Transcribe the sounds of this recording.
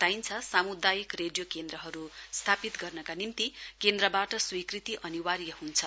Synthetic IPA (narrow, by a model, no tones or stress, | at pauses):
t̪ajnt͡sʰʌsamud̪ajikreɖjokend̪ɾʌɦʌɾust̪ʰapit̪ɡʌrnʌkanimt̪ikend̪rʌbaʈʌswikrit̪iʔʌniwaɾjʌɦunt͡sʰʌ